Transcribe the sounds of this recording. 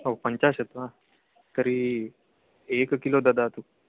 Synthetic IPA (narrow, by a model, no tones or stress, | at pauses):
ɦopəɲt͡ɕaset̪ʋã | t̪əɾiː | ekkilod̪ad̪at̪u